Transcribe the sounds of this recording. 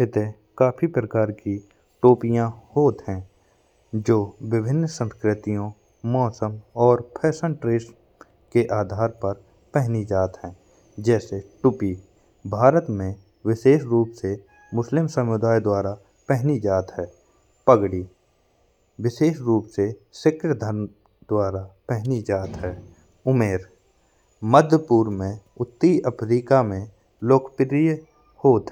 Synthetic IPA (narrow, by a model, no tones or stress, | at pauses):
ɪt̪e | kaːpʰipɾəkaːɾki | ʈoːpijãhoːt̪ɦɛ̃ | d͡ʒoːwɪbʱɪnːsə̃nskɾɪt̪ijõ | mɔːsəmɔːɾpʰɛːsə̃ɳʈɾeːs | keʔaːd̪ʱaːɾpɐɾ | pɛɦnid͡ʒaːt̪ɦɛ̃ː | d͡ʒɛːseʈʊpi | bʱaːɾət̪mẽ | wɪʃeːʃɾuːpse | mʊslɪmsəmʊd̪aːjd̪waːɾa | pɛɦnid͡ʒaːt̪ɦɛː | pəɡɽi | wɪʃeːʃɾuːpsesɪkɾjəd̪ʱəɾm | d̪waːɾapɛɦnid͡ʒaːt̪ɦɛː | ʊmeːɾ | məd̪ʱəpuːɾmẽʊt̪ːiəpʰɾiːkamẽ | loːkʰpɪɾɪj | hoːt̪ː